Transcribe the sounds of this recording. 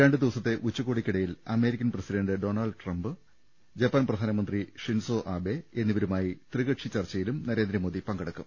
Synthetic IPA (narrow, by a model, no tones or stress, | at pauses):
ɾaːɳɖɨd̪iʋɐsɐt̪ːe̞ʔut͡ɕːukːoːɽikʲːiɽɐjilɐme̞ːɾikʲːɐnprɐsiɖɐɳɖɨɖo̞ːnɐɭɖʈrɐmbɨ | d͡ʑɐpːɐnprɐd̪ʱaːnɐmɐnd̪riʂinsoːʔaːbe̞enːiʋɐɾumaːjit̪riɣɐʈʂit͡ɕɐrt͡ɕːɐjilumnɐɾe̞ːnd̪ɾɐmo̞ːd̪ipɐŋɡɐɽɐkːum